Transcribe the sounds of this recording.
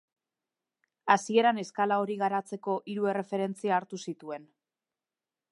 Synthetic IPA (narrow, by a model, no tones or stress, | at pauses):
asie̞ɾane̞skalao̞ɾiɣaɾat͡se̞ko̞ʔiɾue̞re̞fe̞ɾe̞nt͡siaːɾt̪usit̪ue̞n